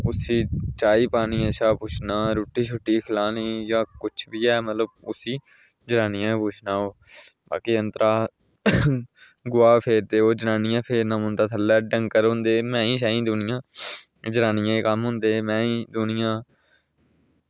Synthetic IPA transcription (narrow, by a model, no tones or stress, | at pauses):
ʊsiːt͡ʃaːiːpaːnĩːəʃʰaːpʊːt͡ʃʰnãːɾuːʈiːt͡ʃʰʊʈːiːkʰɪlaːniːjãːkʊt͡ʃʰbiːɛːmət̪ləb̚ʊsiː | d͡ʒənaːnɪjãːpʊːt͡ʃʰnaːoːba̰ːkiːənt̪ɾaː | ɡʊaːpʰeːɾd̪eːoːd͡ʒənaːnɪjãːpʰeːɾnãːmʊ̃nd̪aːt̪ʰəlːɛːɖə̃ŋkəɾɦõːnd̪eːmɛ̃ːĩːʃaːĩːd̪ʊnɪjãː | d͡ʒənaːnɪjãːeːkəmɦʊ̃nd̪eːmɛ̃ːĩːd̪ʊnɪjãː